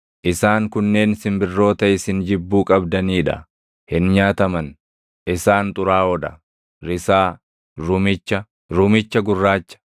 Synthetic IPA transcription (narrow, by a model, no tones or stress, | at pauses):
ʔɪsaːŋkʊnːe̞ːnsɪmbɪrːo̞ːt̪ɐɪsɪnd͡ʒɪbːuːkʼɐbd̪ɐniːᶑɐ̰ | hɪnɲaːt̪ɐmɐn | ʔɪsaːnt̪ʼʊɾaːɔd̪ɐ̰ | ɾɪsaː | ɾʊmɪt͡ʃːɐ | ɾʊmɪt͡ʃːɐɡʊrːaːt͡ʃːɐ̥